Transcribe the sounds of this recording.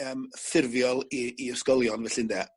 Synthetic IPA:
əmθɪrvjɔlˠiːɔskɔlˠjɔnvɛɬɪndɛ

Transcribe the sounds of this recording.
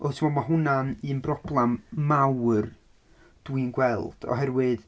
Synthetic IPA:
ʔotʰɪmɔdmaɦʊnanɨːnbrɔblˠɛmːawr | d̥wɨnɡwɛlˠd̥ɔ̰ɦɛrwɨð

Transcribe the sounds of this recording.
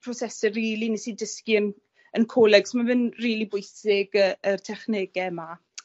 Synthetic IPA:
pʰrɔsɛsəriːlˠinisidəskiən | ənkʰoːlˠɛɡ̥smavɪnriːlˠibʊɨsɪɡəərtʰɛχneːɡɛma

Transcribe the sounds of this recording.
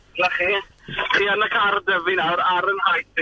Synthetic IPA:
lɛχirianəkʰardəvinawɾaɾənhajθɪ

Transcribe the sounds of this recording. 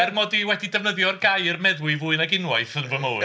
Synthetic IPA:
ɛrmɔdiwɛdidɛvnəðjɔrɡajərmɛðwɨvʊɨnaɡɪnwajθənvəmoː

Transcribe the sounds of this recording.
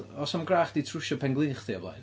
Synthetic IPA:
ɔsamɡraːχd̥itʰrʊʃɔpʰɛŋɡlˠɨːχθiablˠa̰jn

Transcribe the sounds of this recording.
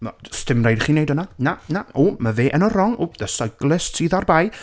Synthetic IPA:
mastɪmrejdχiːnejdənananaomaveːʔɛnɔrɔŋoðəsajɡlˠɪstsiːðarbaj

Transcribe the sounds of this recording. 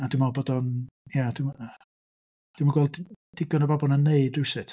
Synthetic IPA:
adwɪmabɔdɔnjadma | d̥wɪmaɡwɛlˠd | d̥ɪɡɔnəbabɔlˠnaneɨdrɪwsɪtʰ

